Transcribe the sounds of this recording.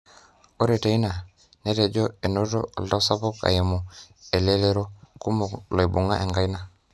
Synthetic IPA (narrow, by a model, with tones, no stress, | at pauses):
o˦ɾe˨te˨i˦na˨ | ne˦te˨ɟo˦e˨no˦to̰˦o̰˨lda˦sa˦po˦ka̰˨je˨mu˨ | e˨le˦le˦ɾo˦ku˦mo˨lo˨jbu˨ŋa˦ʔe˨ŋɡa˦jna˦